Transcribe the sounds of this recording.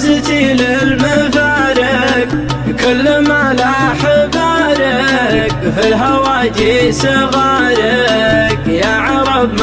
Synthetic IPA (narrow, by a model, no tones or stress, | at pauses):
zɪt̪ilɪlmafaːɾɪkkalːɪmʕalaħɪbaːɾɪkfilɦawaːd͡ʒ̪isɪɣɑːɾɪkjaʕɑɾˤɑbm